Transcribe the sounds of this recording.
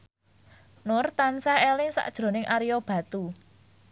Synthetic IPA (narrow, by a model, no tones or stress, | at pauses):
nʊrt̪ansaɛlɪŋsa̰ʔd̥ʒ̥ɾo̤nɪŋʔaɾijɔb̥ä̤t̪u